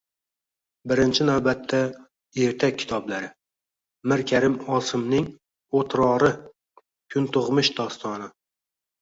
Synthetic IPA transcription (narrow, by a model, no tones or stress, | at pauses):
bɪɾɪnt͡ʃʰɪnawbat̪ʰːa | e̞ɾt̪ʰakʲʰːɪ̥t̪ʰɒblaɾɪ | mɪɾkʲʰaɾɪmɒsɪmnɪŋ | ot̪ʰɾɒɾɪ | kʰʊnt̪ʊʁmɪʃd̪ɒst̪ʰɒnɪ